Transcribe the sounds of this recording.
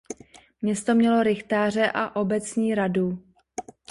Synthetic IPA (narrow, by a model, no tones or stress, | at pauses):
mɲɛst̪o̞mɲɛlo̞ɾɪxt̪aːr̝ɛʔaʔo̞bɛt͡sɲiːɾadu